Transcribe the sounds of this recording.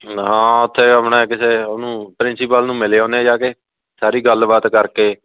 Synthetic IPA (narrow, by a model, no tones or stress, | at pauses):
ɦãːʊt̪ʰːeːkəmɳaːkɪseːoːnũːpɾɪ̃nsɪpəlnũːmɪleːõːneːd͡ʒaːke | saːɾiːɡəlbaːt̪kəɾkeː